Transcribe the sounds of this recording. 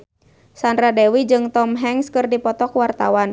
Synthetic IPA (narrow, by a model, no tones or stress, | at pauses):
sandɾadɛwid͡ʒɨŋt̪ɔmɦɛŋskɨrdipɔt̪ɔkwart̪awan